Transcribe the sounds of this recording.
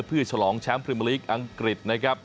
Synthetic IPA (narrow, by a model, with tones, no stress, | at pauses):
pʰɯː˥˩ət͡ɕʰa˧lɔː˩˦ŋt͡ɕʰaː˦˥ŋpʰɾi˧˩m˧liː˦˥k̚ʔa˧ŋkɾi˨˩t̪̚na˦˥kʰɾa˦˥p̚